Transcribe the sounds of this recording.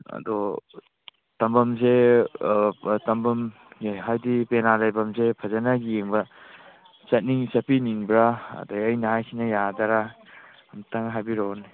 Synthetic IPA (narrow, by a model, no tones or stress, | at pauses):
ɐ̰dɔ | tɐmbɐmze | tɐmbɐm | ɦajdipenalajbɐmzepʰɐzanaɡijeŋbɐ | t͡ʃat̚niŋsɐpʰiniŋbɾaa̰dajɐjnahajkʰinajadaɾa | mtaŋɦajbiɾoni